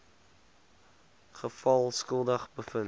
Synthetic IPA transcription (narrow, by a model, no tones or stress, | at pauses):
χəfɐlˠskəlˠdəχbəfən